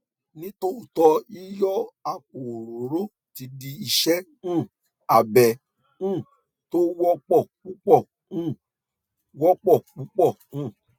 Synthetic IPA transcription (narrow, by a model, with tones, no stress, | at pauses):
nĩ˦to˦u˦˨tɔ˧i˦jɔ˦a˨k̚o˨ɾo˨ɾo˦ | ti˧di˧i˧ʃɛ˦ | ũ˦˨ | a˨bɛ˨ | ũ˦˨ | to˦wɔ˦k͡pɔ˦˨k͡pu˦k͡pɔ˦˨ | ũ˦˨ | wɔ˦k͡pɔ˦˨k͡pu˦k͡pɔ˦˨ũ˦˨